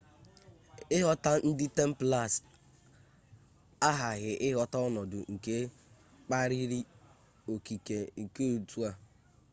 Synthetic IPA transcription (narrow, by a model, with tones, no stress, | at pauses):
ɪ˦ɦɔ˦ta˦n̩˦dɪ˦te˦m̩˦pla˦˨s | a˦ɦa˨ɣɪ˨ʔɪ˦ɦɔ˨ta˦ɔ˦nɔ˨dʊ̰˨ŋ̩˨ke˦ | k͡pa˦ɾi˦ɾi˦ | o˨ki˨ke˨ŋ̩˨ke˦o˨tu˦a˦